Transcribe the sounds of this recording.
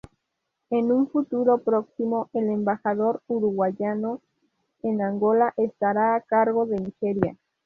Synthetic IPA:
enuɱfut̪uɾopɾoksimo̞elembaxaðo̞ɾuɾuɣwaʝano | enaŋɡo̞laʔest̪aɾaːkaɾɣo̞ðe̞nixeɾja̰

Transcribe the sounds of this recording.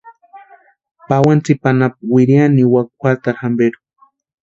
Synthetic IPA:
pawant͡sipanapwiɾjaniwakxʷat̪aɾhambeɾu̥

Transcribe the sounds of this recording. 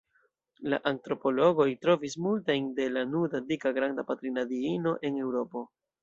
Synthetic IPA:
la̰ʔantɾo̞po̞lo̞ɡo̞jtɾo̞vismultajnde̞lanudadikaɡɾandapatɾinadiino̞ʔe̞ne̞wɾo̞po̞

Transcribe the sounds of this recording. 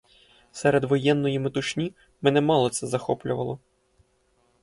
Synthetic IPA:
sɛɾed̪ʋɔjɛnːɔjimet̪ʊʃnʲi | mɛnɛmɑlˠɔt̪sɛzɐxɔplʲʊʋɐ̰lˠɔ

